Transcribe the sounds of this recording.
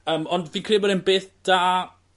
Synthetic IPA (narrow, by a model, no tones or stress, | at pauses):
əːmɔndviːkʰreːbəɾənbeːθd̥aː